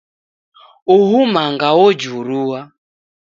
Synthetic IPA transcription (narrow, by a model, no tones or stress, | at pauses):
uɦumaŋɡawɔd͡ʒuɾuwa